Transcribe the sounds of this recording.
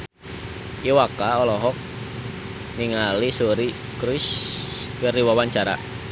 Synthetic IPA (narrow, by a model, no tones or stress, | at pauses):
ʔiwakaɔlɔɦɔk̚ | niŋalisuɾi | kɾus | kəriwawaɲt͡ʃaɾa̰